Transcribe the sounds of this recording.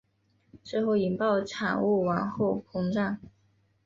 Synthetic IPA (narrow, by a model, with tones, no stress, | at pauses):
t͡swe˥˧ɪxo˥˩ʊi˧˥ŋpɑ˥˩ʊʈ͡ʂʰa̰˨˩ŋu˥˩wa˧˥nxo˥˩ʊpʰʊ˧˥ŋʈ͡ʂa˥˩ŋ